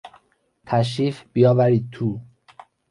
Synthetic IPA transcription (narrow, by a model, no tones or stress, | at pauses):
t̪ʰæʃ̬ɾiːfb̥ijɒːvæɾiːd̪̚t̪ʰu